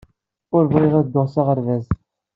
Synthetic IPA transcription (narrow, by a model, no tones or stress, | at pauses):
ʊɾvʁiʁæðd̪ːoʁsaʁəɾvæz